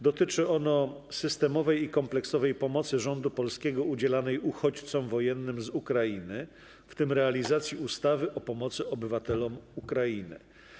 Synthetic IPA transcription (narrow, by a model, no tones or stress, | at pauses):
d̪ɔt̪ɘt͡ʂɘɔn̪ɔ | sɘst̪ɛmɔvɛjikɔmplɛksɔvɛjpɔmɔt̪sɘʐɔnd̪upɔlskʲɛɡɔud͡ʑɛlanɛjuxɔt͡ɕt̪sɔmvɔjɛnːɘmzukɾajinɘ | ft̪ɘmɾɛalʲizat̪sʲjiust̪avɘʔɔpɔmɔt̪sɘɔbɘvat̪ɛlɔmukɾajinɘ̰